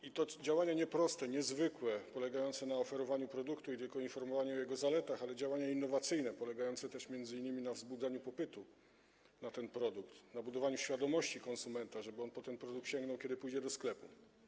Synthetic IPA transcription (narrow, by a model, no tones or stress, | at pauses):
it̪ɔd͡ʑawaɲaɲɛpɾɔst̪ɛɲɛzvɘkwɛpɔlɛɡajɔnt̪sɛnaɔfɛɾɔvaɲupɾɔd̪ukt̪uit̪ɘlkɔinfɔɾmɔvaɲuɔjɛɡɔzalɛt̪axalɛd͡ʑawaɲainːɔvat̪sɘjnɛpɔlɛɡajɔnt̪sɛt̪ɛʂmʲjɛnd̪zɘinːɘmʲinavzbud̪zaɲupɔpɘt̪u | nat̪ɛnpɾɔd̪ukt̪nabud̪ɔvaɲuɕfʲjad̪ɔmɔɕt͡ɕikɔnsumɛnt̪aʐɛbɘɔnpɔt̪ɛnpɾɔd̪ukt̪ɕɛŋɡnɔwkʲɛd̪ɘpujd͡ʑɛd̪ɔsklɛpṵ